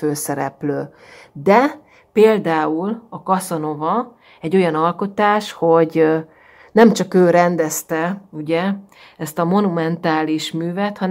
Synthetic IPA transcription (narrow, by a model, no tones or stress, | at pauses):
øːsɛɾɛ̰pløː | d̪ɛ | peːld̪aːulɒkɒsono̞vɒ | ɛɟːo̞jɒnɒlko̞t̪aːʃho̞ɟ | nɛmt͡ʃɒkøːɾɛnd̪ɛst̪ɛuɟɛ | ɛst̪ɒmo̞numɛnt̪aːliʃmyːvɛt̪hɒn